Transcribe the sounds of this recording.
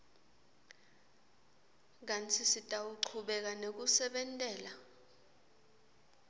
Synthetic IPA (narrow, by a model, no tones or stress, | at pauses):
k̬ant͡sʰisitʼawuǀʰuɓɛk̬anek̬usɛɓɛntʼɛːla